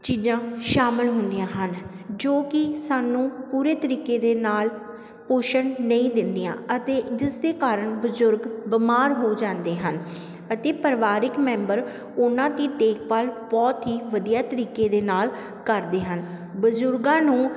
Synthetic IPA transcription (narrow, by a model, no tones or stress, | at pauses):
t͡ʃiːzãːʃaːmɪlɦʊnd̪ijãːɦən | d͡ʒoːkɪsaːnũːpuːɾeːt̪əɾiːkeːd̪eːnaːl | koːʃənnəĩːd̪ɪnd̪ijã̰ːət̪eːd͡ʒ̪ɪsd̪eːkaːɾəɳbʊzʊɾɡbɪmaːɾɦoːd͡ʒãːnd̪eːɦən | ət̪eːpəɾʋaːɾɪkmɛ̃ːmbəɾ | ʊnãːt̪iːʈeːk̚paːlbɔːt̪ɦiːʋəd̪ijaːt̪əɾiːkeːd̪eːnaːl | kəɾd̪eːɦən | bəzʊɾɡãːnũː